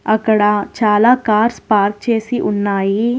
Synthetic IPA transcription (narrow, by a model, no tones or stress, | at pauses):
ɐkɽaːt͡ʃaːlakaːɾspaːɾk̚t͡ʃeːsiʔʊnːaːi